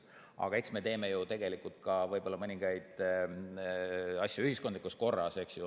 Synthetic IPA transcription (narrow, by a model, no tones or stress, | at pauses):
ʔɑ̰ɡ̥ɑe̞ksme̞t̪e̞ːme̞jut̪e̞ɡ̥e̞likult̪̚kɑvɤjb̥o̞lːɑmɤnʲiŋɡ̥ɑjd̪̥ | ɑsʲjuyhisko̞nd̪likːˑust̪ko̞rːɑse̞ksju